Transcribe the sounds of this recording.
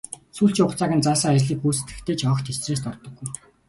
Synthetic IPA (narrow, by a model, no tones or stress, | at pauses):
suːɬt͡ɕɪːʊt͡saːɣʲə̆nt͡saːsaːærʲɮiːkuːsɘt̪ɡɘ̆kt̪ʰeːt͡ɕʰɔkt̪ʰet͡sreːs̬t̪ɔrt̪ɞ̆ɡuj